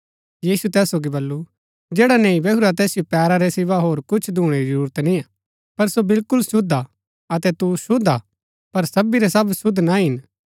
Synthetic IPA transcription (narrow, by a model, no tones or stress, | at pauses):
jiːsut̪ɛːsːoːɡibɐlːu | d͡ʒeːɽanẽːĩbɛɦuɾat̪ɛːsɪjopɛːɾaɾɛsɪʋaɦoːɾkʊt͡ʃʰd̪ʱuːɽ̃eɾid͡ʒəɾuːɾət̪nĩa | pɐɾsobɪlkʊlsʊd̪ʱa | ɐt̪ɛt̪usʊd̪a | pɐɾsɐbiɾɛsɐbsʊd̪ʱnaɦɪn